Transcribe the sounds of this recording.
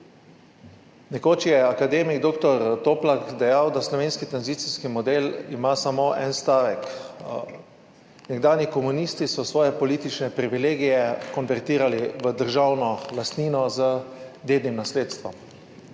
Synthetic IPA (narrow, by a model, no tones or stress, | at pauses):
nɛkoːt͡ʃijɛakad̪eːmiɡd̪oːkt̪ɔɾt̪oːplakd̪ɛjawd̪aslɔʋeːnskit̪ɾanzit̪siskimɔd̪elimasamoːʔɛ̰nst̪aːʋɛk | nɛɡd̪aːnjikɔmunist̪isɔsʋɔːjɛpɔliːt̪it͡ʃnɛpɾiʋileːɡijɛkɔnʋɛɾt̪iːɾaliʋəd̪əɾʒawnɔlast̪niːnɔzəd̪eːd̪nimnasleːt̪st̪ʋɔm